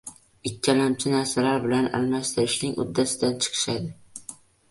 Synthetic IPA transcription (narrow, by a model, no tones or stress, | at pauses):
ɪkʲʰːalamt͡ʃʰɪnaɾsalaɾbɪlana̰lmast̪ɪɾɪʃnɪŋʊ̰d̪ːasɪd̪ant͡ʃʰɨ̥qʰɨ̥ʃad̪ɪ